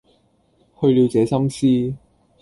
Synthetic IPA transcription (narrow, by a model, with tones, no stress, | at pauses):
hɵ˧ɥliː˨˧wt͡sɛː˨˧sɐ˥msiː˥